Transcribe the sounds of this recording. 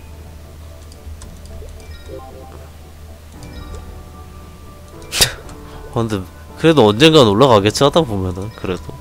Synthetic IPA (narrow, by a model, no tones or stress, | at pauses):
ʌnde | kɯɾe̞doʌnd͡ʑe̞nɡanoɭːaɣaɡet͡ɕʰɯat͈apomjʌnɯnkɯɾe̞do